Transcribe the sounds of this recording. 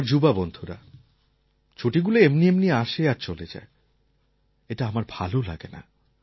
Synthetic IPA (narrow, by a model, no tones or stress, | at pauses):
ɾd͡ʑubabɔnd̪ʱuɾa̰ | t͡ɕʰoʈiɡuleemniemnieaʃeaɾt͡ɕoled͡ʑa̰e | eʈaamaɾbʱalola̰ɡena̰